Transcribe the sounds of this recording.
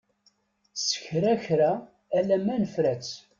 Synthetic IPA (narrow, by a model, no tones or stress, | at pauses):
sə̥çɾæçɾæː | læmænəfɾæt͡s